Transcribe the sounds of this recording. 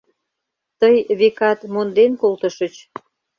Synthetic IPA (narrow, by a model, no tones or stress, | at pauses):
t̪əjβekɑt̪mond̪enkolt̪ə̆ʃət͡ɕ